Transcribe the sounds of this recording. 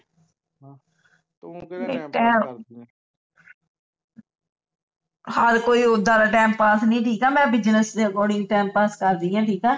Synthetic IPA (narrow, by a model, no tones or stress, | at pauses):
meːʈɛːm | haɾkoːiːʊd̪aːd̪aːʈɛːmpaːsnəĩːʈʰiːkɛːmɛ̃ːbɪd͡ʒnəsekɔːɽĩːʈɛːmpaːskəɾd̪iːãːʈʰiːkɛː